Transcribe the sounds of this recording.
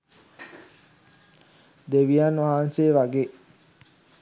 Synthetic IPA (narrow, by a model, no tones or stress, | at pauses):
d̪eʋijanʋaɦanseːʋaɡeː